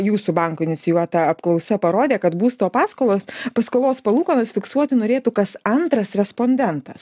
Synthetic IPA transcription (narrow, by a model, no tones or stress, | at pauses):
juːsʊbɐŋkʊɪnʲɪt͡s̪sʲɪjuɔt̪ɐɐpklˠɐʊsɐpɐɾoːd̪ʲeːkɐt̪buːst̪oːpɑːskoːlˠoːspɐskoːlˠoːspɐlˠuːkɐnosfʲɪksuɔt̪ʲɪnoːɾʲeːt̪ukɐsɐnt̪ɾɐsɾʲɛspoːnʲd̪ʲɛnt̪ɐs